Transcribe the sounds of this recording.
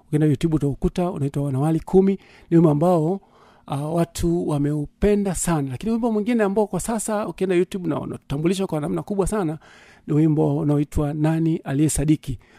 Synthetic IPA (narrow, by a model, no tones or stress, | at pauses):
ukiɛndajutjuɓutaukutaṵnaitwawanawalikʰumi | niwimambaɔ | watʰuwamɛupɛndasanalakiniwimbɔmwiŋɡinɛambaɔkwasasaukiɛndajutjuɓuna̰ṵna̰u̥tambuliʃ̬akwanam̩nakuɓwasana | niwimbɔunaɔitwananialiɛsaɗiki